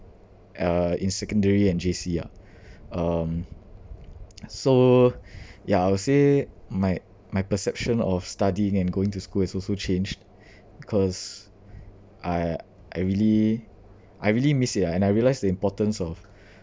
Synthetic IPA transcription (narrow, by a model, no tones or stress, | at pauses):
ʌĩnsɛkə̃ndəɹiɛ̃nd͡ʒesia̰ | ʌ̃m | so | jaaɪwsemaɪ | maɪpəsɛp̚ʃə̃nɔfstadiɪ̃ŋɛ̃nɡoɪ̃ŋtuskulɛsɔlsot͡ʃẽnd͡ʒd | bikʰɔs | ʔaɪ | ʔa̰ɪɹili | ʔajɹilimisitaɛ̃najɹiəlaɪsdəĩmpɔtə̃nsɔf